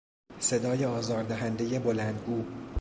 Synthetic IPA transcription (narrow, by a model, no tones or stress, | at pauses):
se̞d̪ɒːjeɒːzɒːɾd̪æɦænd̪e̞je̞bo̞lænd̪ɡuː